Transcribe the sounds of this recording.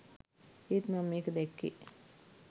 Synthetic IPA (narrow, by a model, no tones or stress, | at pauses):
iːt̪mɐmːeːkəd̪ekːḭ